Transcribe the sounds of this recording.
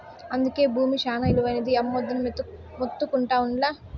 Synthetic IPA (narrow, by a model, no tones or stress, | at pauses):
ɐnd̪uke̞ːbʱuːmiʃaːnɐiluʋɐjnɐd̪iɐmːod̪ːunɐmt̪u | mut̪ːukuɳʈaːʋuɳɖlaː